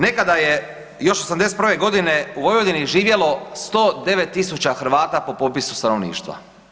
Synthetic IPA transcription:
ne̞kad̪aje | jo̞ʃosamd̪eset̪pɾʋe̞ɡo̞d̪ineuʋojʋod̪iniʒiːʋje̞lo̞st̪od̪e̞ʋe̞t̪ːisut͡ɕaxɾ̩ʋaːt̪apo̞po̞pisu̥st̪ano̞ʋnḭːʃt̪ʋa̰

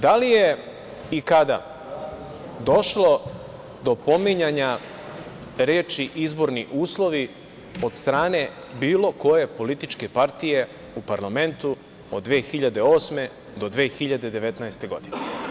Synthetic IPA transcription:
d̪alije̞ | ikad̪a̰ | d̪o̞ʃlˠo̞ | d̪o̞po̞miɲaɲa | ɾeːt͡ʃiʔizbo̞ɾniʔuːslˠo̞ʋi | o̞d̪st̪ɾaːne | biːlˠo̞ko̞je̞po̞lit̪it͡ʃke̞paɾt̪ije̞ | upaɾlame̞nt̪u | od̪ːʋeːxiʎad̪e̞o̞ːsme̞ | d̪o̞d̪ʋeːxiʎad̪e̞d̪e̞ʋe̞t̪naest̪e̞ɡo̞d̪ine

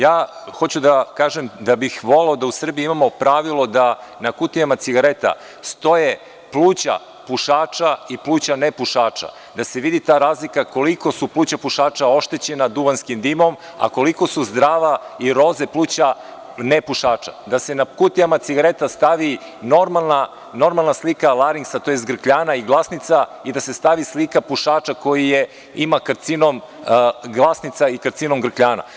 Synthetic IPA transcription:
jaː | xo̞t͡ɕud̪akaːʒemd̪abixʋo̞leod̪ausr̩biiimamo̞pɾaʋilˠo̞d̪anakut̪iamat̪siɡaɾe̞t̪a̰ | st̪o̞je̞ | plˠuːt͡ɕa̰ | puʃaːt͡ʂaiplˠuːt͡ɕanepuʃaːt͡ʂa̰ | d̪ase̞ʋid̪it̪aːɾaːzlikako̞liko̞suplˠuːt͡ɕapuʃaːt͡ʃao̞ʃt̪e̞t͡ɕe̞nad̪uʋanskimd̪imo̞m | a̰ko̞liko̞suzd̪ɾaːʋaiɾo̞ze̞plˠuːt͡ɕa | nepuʃaːt͡ʂa̰d̪ase̞nakut̪iamat̪siɡaɾet̪ast̪aʋi | no̞ɾmalˠna | no̞ɾmalˠnaslikalˠaɾiŋksat̪ojest̪ɡr̩kʎaːnaiɡlˠasnit̪said̪ase̞st̪aʋislikapuʃaːt͡ʂako̞jije̞ | imakɾt̪sinom | ɡlˠasnit̪saikɾt̪sino̞mɡr̩kʎaːna̰

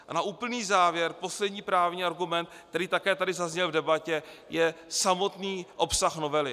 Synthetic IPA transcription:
anaʔuːpl̩niːzaːvjɛɾpo̞slɛdɲiːpɾaːvɲiːaɾɡumɛnt̪̚kkt̪ɛɾiːt̪akɛːt̪adɪzazɲɛlvdɛbacɛ | jɛsamo̞t̪niːʔo̞psaxno̞vɛlɪ

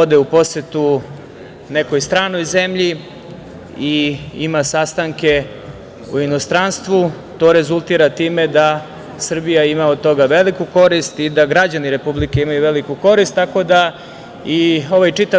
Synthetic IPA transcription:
od̪eupo̞set̪u | ne̞ko̞jst̪ɾaːno̞jze̞mʎi | iḭmasast̪aŋke̞ | uino̞st̪ɾanst̪ʋu | t̪o̞ːɾe̞zulˠt̪iːɾat̪iːmed̪a | sr̩bijaimaod̪̚t̪o̞ɡaʋe̞likuko̞ɾist̪id̪aɡɾad͡ʑaniɾe̞publike̞imajuʋe̞likuko̞ɾist̪ːako̞d̪a | io̞ʋajt͡ʂit̪a

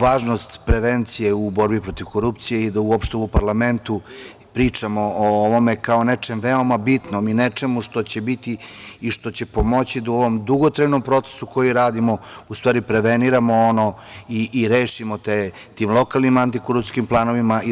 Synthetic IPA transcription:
ʋaːʒno̞st̪pɾe̞ʋent̪sijeubo̞ɾbipɾo̞t̪iʋko̞ɾupt̪sije̞id̪auopʃt̪eupaɾlame̞nt̪u | pɾiːt͡ʂamo̞ooʋo̞mekaonet͡ʂe̞mʋeo̞mabit̪no̞minet͡ʂe̞muʂt̪o̞t͡ɕebit̪iːʃt̪o̞t͡ɕe̞po̞mo̞t͡ɕid̪uoʋo̞md̪uɡot̪ɾajno̞mpɾo̞t̪se̥suko̞jiɾaːd̪imo̞ust̪ʋaːɾipɾe̞ʋeniɾamo̞ono̞iʔiɾeːʃimo̞t̪e | t̪imlˠo̞kalnimant̪ikoɾupt̪skimplˠaːno̞ʋimai

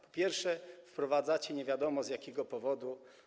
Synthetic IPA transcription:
pɔ̥pʲjɛɾfʂɛfpɾɔvad̪zat͡ɕɛɲɛvʲjad̪ɔmɔzʲjakʲɛɡɔpɔvɔd̪u

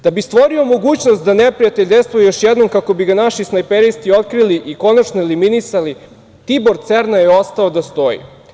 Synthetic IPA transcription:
d̪̥abist̪ʋo̞ɾio̞mo̞ɡuːt͡ɕnost̪̚d̪anepɾijat̪eʎʲd̪est̪vojejoʃjɛd̪no̞mkako̞biɡanaʃisnajpeɾist̪io̞t̪kɾiliʔiko̞nat͡ʃnoeliminisali | t̪ibo̞ɾt̪seɾnajeo̞st̪aod̪ast̪o̞jḭ

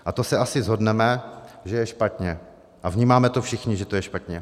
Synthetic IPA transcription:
ʔat̪osɛʔasɪzɦo̞dnɛmɛʒɛjɛʃpat̪ɲɛ | ʔavɲiːmaːmɛt̪ofʃɪxɲɪʒɛt̪ojɛʃpat̪ɲɛ

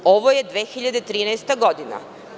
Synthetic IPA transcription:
oʋojed̪ʋeːxiʎad̪et̪ɾiːnajst̪aɡo̞d̪ina̰

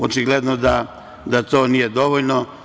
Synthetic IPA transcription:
ot͡ʃiɡled̪nod̪a | d̪at̪o̞ːnijed̪o̞ʋoʎno

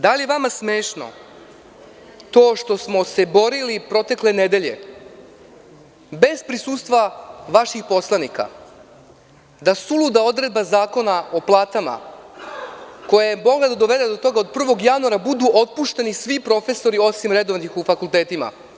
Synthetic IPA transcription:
d̪alijeʋamasmeːʃno̰ | t̪o̞ːʃt̪o̞smose̞bo̞ɾilipɾo̞t̪e̞kle̞ned̪e̞ʎe̞̰ | be̞zpɾisuːst̪ʋaʋaʃixpo̞slˠanika̰ | d̪asulˠud̪ao̞d̪ɾe̞d̪̚bazaːko̞nao̞plˠaːt̪ama̰ | ko̞jajemo̞ɡlad̪ad̪oʋe̞d̪ed̪o̞t̪o̞ɡaod̪̚pr̩ʋo̞ɡjanuaɾabud̪uʔo̞t̪̚puʃt̪e̞nisʋipɾo̞fe̞so̞ɾio̞simɾed̪o̞ʋnixufakulˠt̪eːt̪ima̰

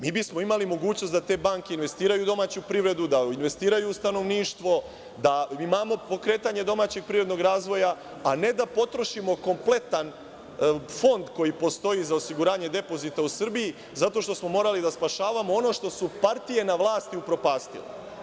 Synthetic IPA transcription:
miːbismo̞imalimo̞ɡuːt͡ɕno̞st̪d̪at̪e̞ːbaŋkeinʋe̞st̪iːɾajud̪o̞maːt͡ɕupɾiʋɾe̞d̪ud̪ainʋe̞st̪iːɾajuːst̪ano̞ʋniːʃt̪ʋo̞ | d̪aimaːmo̞po̞kɾe̞ːt̪aɲe̞d̪o̞maːt͡ɕe̞ɡ̚pɾiːɾed̪noɡɾaːzʋo̞ja | ane̞d̪apo̞t̪ɾo̞ʃimo̞ko̞mple̞t̪an | fo̞nd̪ko̞jipo̞st̪o̞jizao̞siɡuɾaːɲe̞d̪e̞po̞zit̪ausr̩biji | zat̪o̞ʃt̪osmo̞mo̞ɾalid̪aspaʃaːʋamo̞o̞no̞ːʃt̪o̞supaɾt̪ije̞naʋlˠaːst̪iupɾo̞paːst̪ḭlḭ

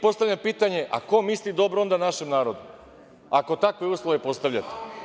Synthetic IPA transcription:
po̞st̪aʋʎʲampiːt̪aɲe̞ʔa̰ko̞mislid̪o̞bɾoo̞nd̪anaʃemnaːɾo̞d̪u | ako̞t̪akʋojuːslˠoʋepo̞st̪aʋʎat̪e̥

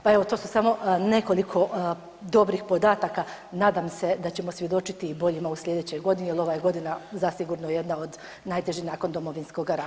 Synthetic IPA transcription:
pae̞ʋo̞t̪o̞ːsu̥saːmo̞ne̞ko̞likʰo̞ | d̪o̞bɾixpo̞d̪aːt̪aka | naːd̪amse̞d̪at͡ɕe̞mo̞sʋje̞d̪o̞t͡ʃit̪iːbo̞ʎimauslʎʲe̞d̪et͡ɕo̞jɡo̞d̪inielo̞ʋajeɡo̞d̪inazasiɡuɾnojeje̞d̪naod̪ | najt̪e̞ʒinaːko̞nd̪o̞mo̞ʋinsko̞ɡaɾa

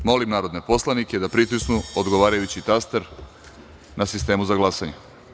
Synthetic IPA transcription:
mo̞limnaːɾo̞d̪nepo̞slˠaniked̪apɾit̪isnuod̪ɡo̞ʋaːɾajut͡ɕit̪ast̪eɾ | nʔasist̪e̞ːmuzaɡlˠasaɲe

